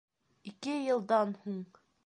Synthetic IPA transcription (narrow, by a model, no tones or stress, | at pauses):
ikɘjɤ̆lˠd̪ɑnhuɴ